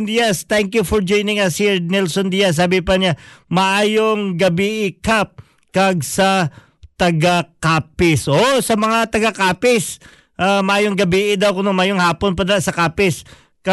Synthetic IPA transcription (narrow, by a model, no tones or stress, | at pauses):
d̪ijɐst̪ɛŋkjufɔɹd͡ʒojnɪŋɐsinɛlsond̪ijɐs̬ːaːbɪpɐɲamɐʔaːjoŋɡɐbiʔɪkap̚ | kɐɡ̚sɐ | t̪ɐɡakaːpɪsʔosɐmɐŋat̪ɐɡɐkaːpɪs | ʔamɐʔaːjoŋɡɐbiːʔɪd̪awkʊnʊŋmaːjoŋhaːponpɐd̪asɐkaːpɪs | kɐ